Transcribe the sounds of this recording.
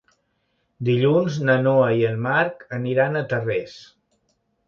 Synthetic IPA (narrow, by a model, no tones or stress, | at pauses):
d̪iʎunznənoəiəlˠmaɾkəniɾanət̪ərɛs